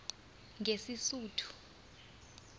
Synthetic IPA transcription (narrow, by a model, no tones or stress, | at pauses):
ŋʱesisuːtʰu̥